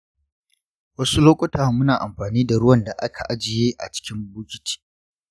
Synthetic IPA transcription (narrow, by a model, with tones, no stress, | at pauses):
wɐ˦su˦loː˦kʷʼɔ˦taː˨mʊ˦naː˨ʔa̰˨mɸaː˨niː˦da˨ɽʊ˦wɐ˨nda˨ʔa˦kʰa˨ʔa˦d͡ʒɪ˨jeː˦ʔa̰˨t͡ʃɪ̥˦kʲɪ˦mbʊː˦kʲɪ˦ti̥ː˦